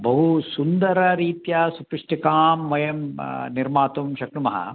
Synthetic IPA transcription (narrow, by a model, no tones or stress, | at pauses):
bɐɦusund̪ɐɾɐɾiːt̪jɐsupiʂʈikaːmʋɐjɐmniɾmaːt̪umʃɐknumɐɦɐ̰